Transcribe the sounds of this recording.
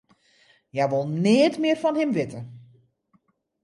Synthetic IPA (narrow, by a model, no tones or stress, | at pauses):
jajʋolˠneətmɪːrfɔnhɪmʋɪtə